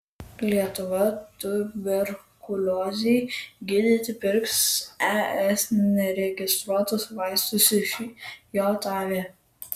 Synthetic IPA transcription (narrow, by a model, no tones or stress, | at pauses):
lʲiɛt̪ʊʋɐt̪ʊʋʲɛɾkʊlʲoːzʲɛːɡʲɪd̪ʲɪt̪ʲɪpʲɪɾksɛɛsnʲɛɾʲɛɡʲɪst̪ɾuɔt̪ʊsʋɑɪst̪ʊsʲɪʃʲjoːt̪ɑːʋʲeː